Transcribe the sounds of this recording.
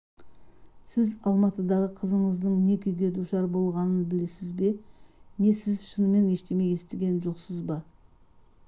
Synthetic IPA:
sɪzɑlˠmɑt̪əd̪ɑʁəqʰəzəɴəzd̪əɴne̞kʲʰʏjɡʲe̞d̪uʃɑɾbo̞lˠʁɑnənbɪle̞sɪzbe̞ne̞sɪzʃənəme̞ne̞ʃt̪e̞me̞je̞st̪eɡʲe̞nʒo̞qsəzbɑ

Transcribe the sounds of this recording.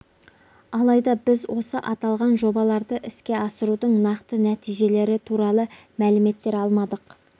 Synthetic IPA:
ɑlˠɑjd̪ɑbɪzwo̞səʔɑt̪ɑlˠʁɑnʒo̞bɑlˠɑɾd̪əʔɪskʲe̞ɑsəɾud̪əɴnɑqt̪ənæt̪ijʒe̞le̞ɾɪt̪ʰuɾɑlˠə | mælɪme̞t̪ːe̞ɾɑlˠmɑd̪əq

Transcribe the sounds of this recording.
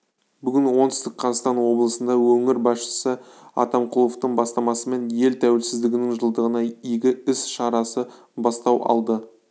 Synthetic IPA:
bʏɡʲɪnwo̞nt̪ɪst̪ɪkqqʰɑzɑst̪ɑnwo̞blˠəsənd̪ɑwɵŋɪɾbɑsʃə̥sə | ɑ̰t̪ɑmqʰʊlˠoft̪əɴbɑst̪ɑmɑsəme̞nje̞lt̪ʰæwɪlsɪzd̪ɪɡʲɪnɪŋʒəlˠd̪əʁənɑijɡʲɪɪsʃɑɾɑsə | bɑst̪ɑwɑ̰lˠd̪ə

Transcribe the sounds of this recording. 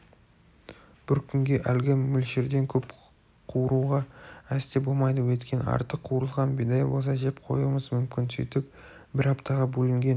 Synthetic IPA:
b̥ɪɾkʲʰʏŋɡʲe̞ʔælɡʲɪmʏlʃe̞ɾd̪e̞ŋkʲʰɵp | qʰuwɾuʁɑæst̪ebo̞lˠmɑjd̪əwɵt̪kʲʰe̞nɪ̰ɑ̰ɾt̪əqʰːuɾəlˠʁɑnbed̪ɑjwos̬ɑʒe̞p̚qʰo̞̰juməzmʏmkʲɪnsijt̪ɪp̚ | bɪɾɑpt̪ʰɑʁɑbɵlɪŋɡʲe̞n

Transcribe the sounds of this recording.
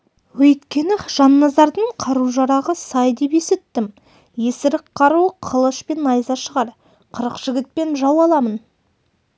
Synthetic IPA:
wɵjt̪kʲe̞nɪʒ̥ɑnːɑzɑɾd̪əɴqʰɑɾuʒɑɾɑʁəsɑjd̪e̞pe̞set̪ːɪm | je̞sɪɾɪkqʰːɑɾuəqʰəlˠəʃpe̞nːɑjzɑʃəʁɑɾ | qʰəɾəqʒ̥ɪɡʲɪt̪̚pe̞nʒɑwɑlˠɑmən

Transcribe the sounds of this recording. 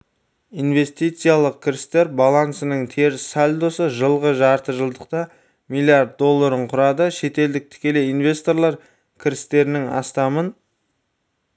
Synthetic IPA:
ijnve̞st̪ijt̪sɨjalˠəq̚kʲʰɪɾɪst̪e̞ɾbalˠansənəɴt̪ʰe̞ɾsalʲd̪osəʒəlˠʁəʒɑɾt̪əʒəlˠd̪əqt̪ɑ | milˠijaɾd̪̚d̪ːo̞lˠːaɾəɴqʰʊɾɑd̪əʃe̞t̪e̞ld̪ɪk̚t̪ʰɪ̥kʲe̞leinve̞st̪o̞ɾlˠɑɾ | kʲʰɪɾɪst̪e̞ɾɪnɪŋɑ̰st̪ɑmən

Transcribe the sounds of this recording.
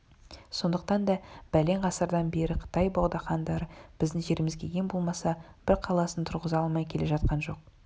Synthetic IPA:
so̞nd̪əqt̪ɑnd̪ɑb̥æle̞ɴqʰɑsəɾd̪ɑnbe̞ɾɪqʰə̥t̪ɑjbɑwˠd̪ɑχɑnd̪ɑɾəb̥ɪzd̪ɪŋʒe̞ɾɪmɪzɡʲe̞ɡʲe̞mbo̞lˠmɑsɑb̥ɪɾqʰɑlˠɑsənt̪ʰʊɾʁəzɑlˠmɑjkʲʰe̞le̞ʒɑt̪̚qɑnʒo̞q̚

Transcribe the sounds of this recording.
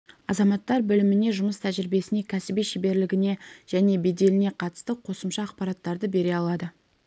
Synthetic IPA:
ɑzɑmɑt̪ːɑɾbɪlɪmɪne̞ʒʊməst̪ʰæʒɪɾɪbe̞sɪne̞kʲʰæsɪbijʃebe̞ɾlɪɡʲɪne̞ʒ̥æne̞be̞d̪e̞lɪne̞qʰɑt̪ə̥st̪əqʰo̞səmʃɑːqpɑɾɑt̪ːɑɾd̪əbe̞ɾe̞ɑlˠɑd̪ə

